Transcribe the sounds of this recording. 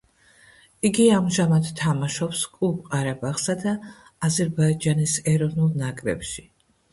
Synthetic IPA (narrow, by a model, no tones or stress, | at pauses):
iɡiamʒamad̪t̪ʰamaʃɔpskʼupʼqʼaɾabaχsad̪aː | zɛɾbaid͡ʒanisɛɾɔvnulˠnakʼɾɛ̰pʃi